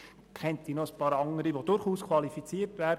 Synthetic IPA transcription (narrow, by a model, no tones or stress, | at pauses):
kʰɛntiːnoəspɑːɾɑŋəɾiʋod̥ʊɾχuːskʰʋɑlifit͡siətʋæːɾd